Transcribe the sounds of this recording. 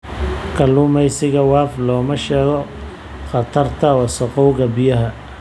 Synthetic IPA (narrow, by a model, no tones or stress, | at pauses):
kʰɐluːmɛjsɪɣɐwɑːflɔːmɐʃɛːɣɔ | χɑt̪ʰɐrt̪ʰɐɔsɔqɔwɣɐbɪjɐɦɐ